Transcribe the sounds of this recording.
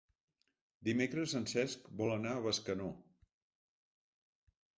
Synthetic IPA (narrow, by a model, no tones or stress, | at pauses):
d̪imekɾəsənsɛskbɔlˠənaəβəskəno